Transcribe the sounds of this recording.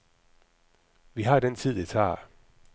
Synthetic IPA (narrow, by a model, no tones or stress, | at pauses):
ʋiɦɑ̈d̥ent͡sʰið̰ˠdet͡sʰɑ̰̈ː